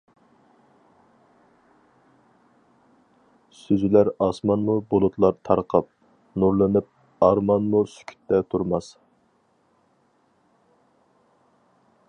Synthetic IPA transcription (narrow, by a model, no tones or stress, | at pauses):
syzylæɾɑsmɑnmubolˠut̪ʰlˠɑɾt̪ʰɑɾqʰəp̚ | nuɾlˠɨnɪp̚ | ɑɾmɑnmusy̥kʲʰy̥t̪ːɛt̪ʰuɾmɑs